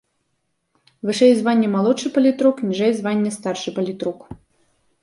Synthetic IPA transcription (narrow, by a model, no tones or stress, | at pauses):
vɨʂɛjzvanʲːɛmalˠɔʂɨpɐlʲit̪ɾuknʲiʐɛjzvanʲːɛst̪arʂɨpɐlʲit̪ɾuk